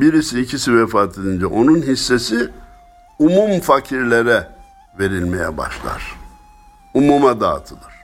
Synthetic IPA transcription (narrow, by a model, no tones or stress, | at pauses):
biɾisiːcʰisivɛfaːt̪ʰed̪ind͡ʒɛʔo̞nunɦisːe̞si | umumfacʰiɾlʲeɾɛ | ve̞ɾilʲmejɛ̰ba̰ʃlˠa̰ɾ̥ | umumad̪a̰ːt̪ʰɯd̪ɯɾ̥